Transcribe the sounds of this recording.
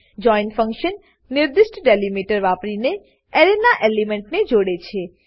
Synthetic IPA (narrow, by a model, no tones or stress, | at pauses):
d͡ʒɔinfə̃ŋkʃənː | ɪɾd̪ɪʃʈɖelimiʈəɾʋapɾine | ɛɾenaʔelimeɳʈned͡ʒoɽet͡ʃʰe